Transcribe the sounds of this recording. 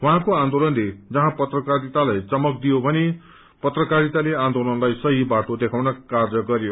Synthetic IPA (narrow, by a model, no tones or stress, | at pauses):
wɦãkoãnd̪olʌnled͡zʌɦãpʌt̪rʌkaɾit̪alajt͡sʌmʌk̚d̪ijobʱʌne | pʌt̪rʌkaɾit̪aleãnd̪olʌnlajsʌɦibaʈod̪ekʰawnʌkard͡zʌɡʌɾjo